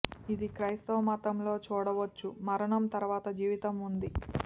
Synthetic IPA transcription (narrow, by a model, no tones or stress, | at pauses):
id̪ikɾɐjst̪oːmaːt̪ɐmlo̞ːt͡ʃuːɽɐʋɐt͡ʃːumɐɾɐɳɐmt̪ɐɾuʋaːt̪ɐd͡ʒiːʋit̪ɐmund̪i